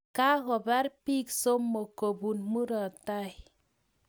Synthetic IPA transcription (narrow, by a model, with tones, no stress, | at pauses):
ka˦ɣɔ˨ba˦ɾpi˦kso˦mːo˨ko˨bu˨nmu˦ɾɔ˨ta˦j